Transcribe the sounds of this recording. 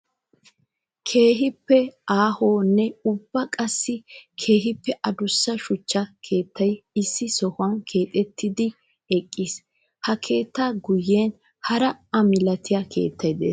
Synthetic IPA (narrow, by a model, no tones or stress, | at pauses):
kʰe̞ːɦɪpːɛʔaːhoːnːɛʊbːɐkʼɐsːɪkʰe̞ːɦɪpːɛʔɐd̪ʊsːɐʃʊt͡ʃːɐkʰe̞ːt̪ʰːɐjɪsːɪsɔhʊɐnkʰe̞ːt̪ʼɛt̪ːɪd̪ɪ | ɛkʼːis | hɐkʰe̞ːt̪ːaːɡʊjːeːn | hɐɾɐɐmɪlɐt̪ɪjɐkʰe̞̰ːt̪ʰːɐjd̪ḛːs